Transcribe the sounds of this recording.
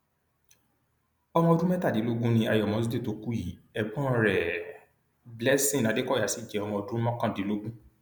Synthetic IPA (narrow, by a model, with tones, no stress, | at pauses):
ɔ˧mɔ̃˧o˧dũ˦mɛ˦ta˦˨di˨˦lo˦ɡũ˦nĩ˧a˨˧jɔ˨mɔ̃˨˦su˦de˦to˧ku˦i˨˦ɛ˨bɔ̃˦ɾɛ˨ | blɛ˦sĩ˦˨nã˨˦de˦kɔ˦˨a˨˦si˦˨d͡ʒɛ˨ɔ˧mɔ̃˧o˧dũ˦mɔ̃˦kã˦˨di˨˦lo˦ɡũ˦